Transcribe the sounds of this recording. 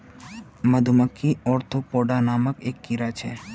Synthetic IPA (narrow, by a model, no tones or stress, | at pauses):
məd̪ʱuməkʰːiɔɾt̪ʰopɔɖanaməkekːiɾat͡ʃʰḛ